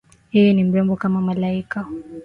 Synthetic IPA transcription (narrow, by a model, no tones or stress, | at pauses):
hijinimbɛmbɔkamamalaika